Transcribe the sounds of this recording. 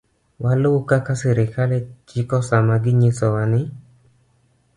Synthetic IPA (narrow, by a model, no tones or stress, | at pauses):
walʊkakasɛɾɪkalet͡ʃɪkɔsamaɡɪɲɪsɔwanɪ